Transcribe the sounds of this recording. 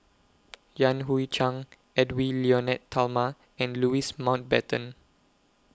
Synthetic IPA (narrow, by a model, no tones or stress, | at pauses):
jãnɦuit͡ʃãŋ | ɛdwiliɔnɛtʰːalma | ɛ̃nluismãw̃nt̚bɛtə̃n